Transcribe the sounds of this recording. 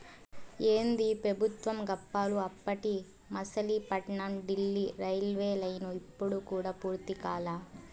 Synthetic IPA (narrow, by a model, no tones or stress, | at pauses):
eːnd̪ipɾɐbʱut̪ʋɐmɡɐpːaːluɐpːɐʈi | mɐsɐlipɐʈɳɐmɖilːiɾɐjlʋeːlɐjnuipːuɽukuːɽaːpuːɾt̪ikaːlaː